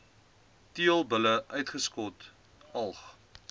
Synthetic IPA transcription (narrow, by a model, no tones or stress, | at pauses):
tiəlˠbələʔœɥtχəskɔt | ɐlˠχ